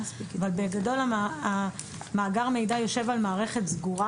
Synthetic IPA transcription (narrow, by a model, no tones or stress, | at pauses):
savalbeɡado̞laa | maːɡaʁame̞jdajo̞ʃevalmaːʁe̞χe̞tzɡuʁa